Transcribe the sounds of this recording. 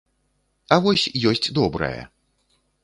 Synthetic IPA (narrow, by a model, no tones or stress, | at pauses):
ɐvɔsʲjɔsʲt͡sʲd̪ɔbɾɐ̰jɛ̰